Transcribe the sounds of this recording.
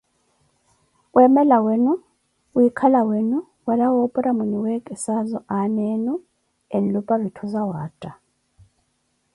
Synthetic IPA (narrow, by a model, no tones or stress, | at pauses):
wɛmɛlawenu | ujikʰalawenu | walawɔpʼɔɾamunuwɛkʼɛsazɔʔaneːnu | enlupʼaβitʰuzawaːtʼa